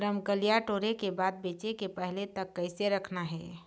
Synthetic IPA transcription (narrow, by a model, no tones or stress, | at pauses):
ɾəmkəlijaʈoːɾekebad̪̚bet͡ʃekepəɦlet̪əkːəɪseɾəkʰnaɦɛ